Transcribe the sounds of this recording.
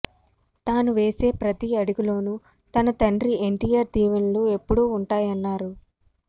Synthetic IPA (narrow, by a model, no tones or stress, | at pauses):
t̪aːnuʋe̞ːse̞ːpɾɐt̪iɐɽuɡulo̞ːnu | t̪ɐnɐt̪ɐɳɖɾie̞ɳʈiːjaːɾt̪iːʋɐnlue̞pːuɽuːɳʈaːjɐnːaːɾu